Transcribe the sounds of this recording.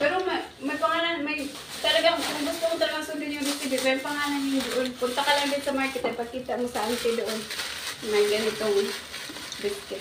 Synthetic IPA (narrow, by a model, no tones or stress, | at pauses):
pɛːɾomɐ | mɐjpɐŋaːɾanmɐj | t̪ɐlɐɡaŋɐŋɡʊst̪okʊt̪ɐlɐɡaŋsʊnd̪ɪnjʊŋd̪ɪskɐbɪpɛjʊŋpɐŋaːɾɐnɪŋd̪oʔonpʊnt̪ɐkɐlɐŋd̪ɪnsɐmaɹkɛt̪ɐpɐɡ̚kiːt̪ɐmosɐʔant̪ɛd̪oʔonmɐjɡɐnɪt̪oŋn | d̪ɪskɪ